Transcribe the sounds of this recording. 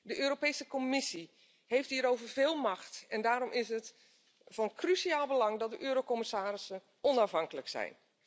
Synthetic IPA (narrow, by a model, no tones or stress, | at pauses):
dəʔøːɾopejsəkomɪsi | hejft̚ɦiːɾowvərvɪːlˠmɑxtɛndaːɾɔmʔɪsət | fɑnkrysiaːlˠbəlɑŋdɑt̚dəʔøːɾokɔmɪsaːɾɪsən | ʔɔnafɦɑŋkələksɛ̰jn